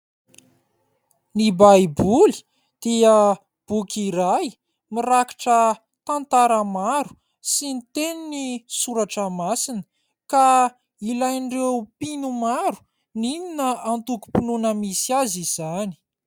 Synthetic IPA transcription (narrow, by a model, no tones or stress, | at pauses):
nibajbuli̥ | d̪̥eə | b̥ukiɾaj | miɾakḁʈ͡ʂə | t̪ant̪aɾəmaɾu̥ | sinit̪eninisuɾaʈ͡ʂəmasinə̥ | ka | ilajɳɖ͡ʐewpinumaɾu̥ | nininəant̪uku̥pinunəmisiaziz̥ani̥